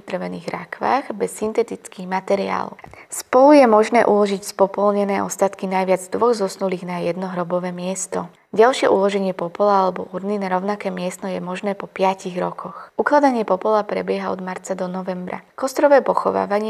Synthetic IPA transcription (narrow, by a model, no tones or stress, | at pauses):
d̪r̩ʋɛniːɣɾakʋa̰ːɣbɛsːint̪ɛt̪it͡skiːɣmat̪ɛɾia̰ːlɔ̰spɔlujɛmɔʒnɛːʔulɔʒicspɔpɔlɲɛnɛːʔɔ̰st̪at̪kinajʋɪad͡zd̪ʋɔɣzɔsnuliːɣnajɛd̪nɔɦɾɔbɔʋɛːmɪɛst̪ɔ | ɟalʃɪɛʔulɔʒɛɲɪɛpɔpɔlaalɛbɔ̰ʔuɾninaɾɔʊnakɛːmɪɛst̪ɔjɛmɔʒnɛːpɔpɪaciɣɾɔkʰɔxuklad̪aɲɪɛpɔpɔlapɾɛbɪɛɦaɔ̰d̪maɾt͡sad̪ɔnɔʋɛmbɾa̰kɔst̪ɾɔʋɛːpɔxɔʋa̰ːʋaɲɪ